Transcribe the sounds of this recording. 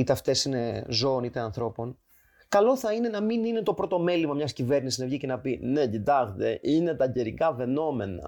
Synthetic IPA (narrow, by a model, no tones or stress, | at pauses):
it̪eɐft̪e̞sine̞zo̞onit̪eɐnθɾo̞po̞n | kɐlo̞θɐine̞nɐminine̞t̪o̞pɾo̞t̪o̞me̞limɐmɲɐscive̞ɾnisiznɐvʝice̞nɐpine̞cit̪ɐxt̪e̞ʔine̞t̪ɐɟe̞ɾikɐve̞no̞me̞nɐ̰